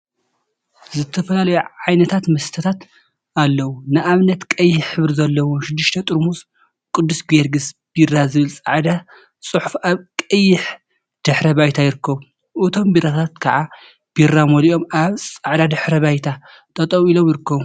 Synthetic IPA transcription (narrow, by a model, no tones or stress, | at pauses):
zɨt̪ʰɐfɐlalɐjuʕajnɐt̪ʰat̪mɐst̪ʰɐt̪ʰat̪ | ʔalːɐwunɨʔaβnɐt̪kʼɐjːɪħħɨβɾzɐlːɐwoʃɪd̪ːɨʃt̪ʰɐt̪ʼɨɾmus | kʼɨd̪ːusɡeɾɡɨsb̥irːazɨβɨlt͡sʼaʕd̪a | sʼɨħufaβkʼɐjːɪħ | d̪̥ɨħɾɐbajt̪ʰajɪɾɨkːɐβu | ʔɨt̪ʰo̞mbiɾat̪ʰat̪kʰaʕa | b̥iramoliʔo̞mʔaβsʼaʕd̪ad̪ɨħɾɐβajt̪ʰa | t̪ʰʼɐt̪ʼɐwilo̞mjɪɾɨkːɐβu